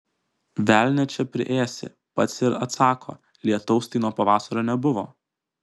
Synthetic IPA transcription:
ʋʲæːˑlʲnʲɛt͡ʃʲɛpʲɾʲɪ̰ʔeːsʲɪ̰ | pɐt̪sʲɪɾɐ̰t̪sɑːkʰo̰ː | lʲiɛt̪ɐʊst̪ʲɐɪnoɔːpɐʋɑːsɐɾoːnʲɛbʊʋo̰ː

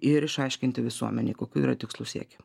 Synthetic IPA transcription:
ɪɾɪʃɐɪʃʲkʲɪnʲt̪ʲɪʋʲɪsuɔmʲɛnʲeːkoːkʲuːiːɾɐt̪ʲɪkslˠuːsʲḭɛkʲe

